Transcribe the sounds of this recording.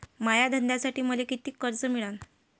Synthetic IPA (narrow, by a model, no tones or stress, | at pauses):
majad̪ʱənd̪asaʈiːməlekit̪iːkːəɾt͡səmiɭan